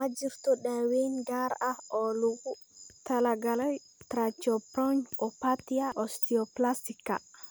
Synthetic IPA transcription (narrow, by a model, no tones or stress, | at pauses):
ad͡ʒiɾt̪ɔɗawenɡaɾaɔluɡu | t̪alaɡalaj | t̪ɾat͡ʃɔpɾɔɲɔpat̪iaʔɔst̪iɔplastika̰